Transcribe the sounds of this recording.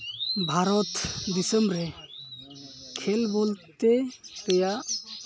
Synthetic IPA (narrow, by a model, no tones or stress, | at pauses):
bʱaɾɔt̪d̪isəmbɾɛ | kʰɛlbolt̪eɾɛjaʔ